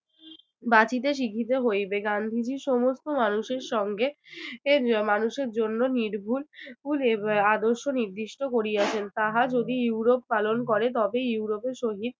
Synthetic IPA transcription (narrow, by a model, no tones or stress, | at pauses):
bat͡ɕit̪̬eʃ̬ikʰit̪̬eɦojbeɡand̪ʱid͡ʑiʃɔmost̪omanuʃeɾʃɔŋɡe | manuʃeɾd͡ʑonːoniɾbʱulfulead̪oɾʃoniɾd̪iʃʈokoɾiat͡ɕʰent̪aɦad͡ʑod̪ijuɾopːalonkɔɾet̪ɔbejuuɾopeɾʃoɦid̪̚